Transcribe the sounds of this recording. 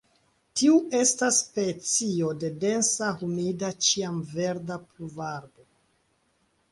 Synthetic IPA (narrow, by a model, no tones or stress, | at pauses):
tiue̞stasːpe̞t͡sio̞de̞de̞nsahumidat͡ʃiamve̞ɾdapluvaɾbo̞